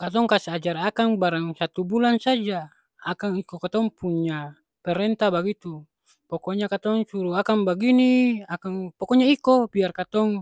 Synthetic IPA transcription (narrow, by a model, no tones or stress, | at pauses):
kat̪̬ɔŋkasiad͡ʒaɾakaŋbaɾaŋsat̪ubulansad͡ʒa | akaŋikokat̪ɔŋpuɲa | pɛɾɛnt̪abaɡit̪u | pɔkɔɲakat̪ɔŋsuɾuakaŋbaɡiniakaŋpɔkɔɲaikobiarkat̪ɔŋ